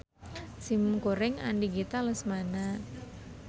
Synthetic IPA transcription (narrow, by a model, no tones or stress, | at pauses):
simkoɾɪŋa̰ndiɡit̪aləsmana